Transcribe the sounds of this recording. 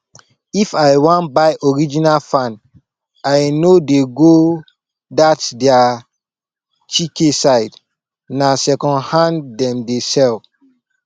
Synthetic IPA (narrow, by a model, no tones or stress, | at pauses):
ifajwãnbaɪʔɔɹid͡ʒinalfãn | ajnodeɡo | datdɛa | t͡ʃikesaɪd | nasɛkɔ̃nhãndɛ̃mdesɛl